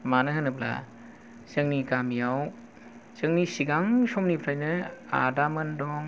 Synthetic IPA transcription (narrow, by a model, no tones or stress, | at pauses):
manɯɦɯnɯpla̰ | zɯŋniɡamijaw | zɯŋnisiɡaŋsɔmnipʰɾajnɯa̰damɯndɔŋ